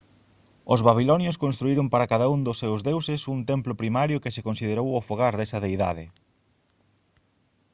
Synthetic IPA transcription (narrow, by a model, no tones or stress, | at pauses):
ʊzβaβ̞ilɔnjoskonst̪ɾuiɾʊmpaɾakaðaund̪ʊsːewzðewsɪsunt̪emplʊpɾimaɾjʊkɪsekonsið̞eɾowʊfoɣ̞aɾðɛsɐðejða̰ðɪ